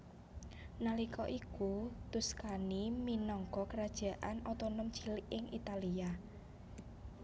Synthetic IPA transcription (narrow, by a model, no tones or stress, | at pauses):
nalikɔʔikut̪uskaniminɔŋkɔkəɾad̥ʒ̥a̤ʔanɔt̪ɔnɔm̥t͡ʃiliʔɪŋʔit̪alia